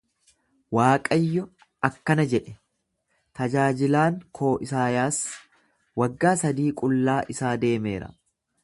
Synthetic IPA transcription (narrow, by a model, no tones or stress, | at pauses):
waːkʼɐjːɔ | ʔɐkːɐnɐd͡ʒɛᶑɛ | t̪ɐd͡ʒaːd͡ʒɪlaːŋkʰo̞ːʔɪsaːjaːs | wɐɡːaːsɐd̪iːkʼʊlːaːʔɪsaːd̪e̞ːme̞̰ːɾɐ̰